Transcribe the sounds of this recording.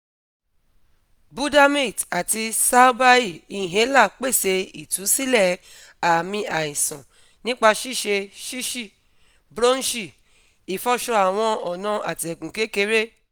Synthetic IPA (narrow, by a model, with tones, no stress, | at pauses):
bu˦da˦mĩ˦˨ta˨ti˧sa˦ba˦i˦˨i˨ɦẽ˨˦la˦˨k͡pe˦˨se˧i˨tu˨˦si˦lɛ˦˨ | a˨mĩ˧a˨ĩ˨sɔ̃˨ | nĩ˦k͡pa˧ʃi˦˨ʃe˧ʃi˦ʃi˦˨ | bɾo˦n̩˦ʃi˦˨ | i˨fɔ˧ʃɔ˧a˨w̃ɔ̃˧ɔ˨nã˨˧˦a˨ti˨ɛ˨kũ˨ke˦ke˧˦ɾe˦